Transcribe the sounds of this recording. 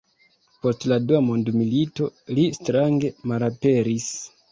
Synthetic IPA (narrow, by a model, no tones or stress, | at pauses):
po̞stladuamondmilito̞listɾaŋɡe̞malape̞ɾis